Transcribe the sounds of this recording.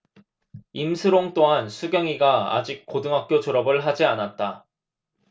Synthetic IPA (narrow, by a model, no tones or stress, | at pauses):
imsʰɯɾoŋt͈oɦansʰuɡjʌŋiɡaa̰d͡ʑik̚k͈odɯŋɦak̚k͈jod͡ʑoɾʌbɯɭɦad͡ʑianat̚t͈a